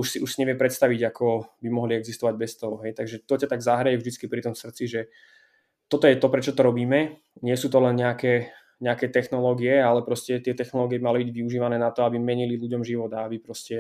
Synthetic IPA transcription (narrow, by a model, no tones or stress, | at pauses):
uʃsiʔuʃsiɲɛʋɪɛmpɾɛt̪st̪aʋiɟakʰɔbimɔɦliɛɡzist̪ɔʋaɟbɛst̪ɔɦɔɦɛjt̪aɡʒɛt̪ɔcat̪aɡzaɦɾajɛvʒd̪it͡skipɾit̪ɔmfsr̩t̪t͡siʒɛ | t̪ɔt̪ɔjɛt̪ɔpɾɛt͡ʃɔt̪ɔɾɔbiːmɛ | ɲɪɛsuːt̪ɔlɛnɲɛakɛː | ɲɛakɛːt̪ɛxnɔlɔːɡiɛalɛpɾɔscɛt̪ɪɛt̪ɛxnɔlɔːɡiɛbimalibiɟʋiuʒiːʋanɛːnat̪ɔabimɛɲililuɟɔmʒiʋɔd̪aabipɾɔscɛ